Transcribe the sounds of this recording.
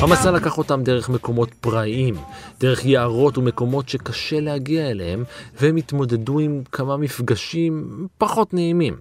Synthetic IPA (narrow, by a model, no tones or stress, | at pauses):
hamasalakaχo̞tamde̞ʁeχme̞ko̞mo̞tpʁaʔimd̪̥e̞ʁeχjeaʁo̞tume̞ko̞mo̞tʃe̞kaʃe̞lehaɡiaelehe̞mvehemit̪mo̞d̪e̞duimkʰamamifɡaʃimpaχo̞tneimim